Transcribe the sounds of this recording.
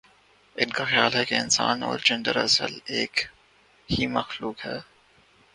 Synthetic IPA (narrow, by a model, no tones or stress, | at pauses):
ɪnkaxjaːlɦɛkeɪnsa̰ːnɔ̰ːɾd͡ʒɛ̃ɳɖəɾɐ̰sə̰leːk | himɐxluːkɦɛː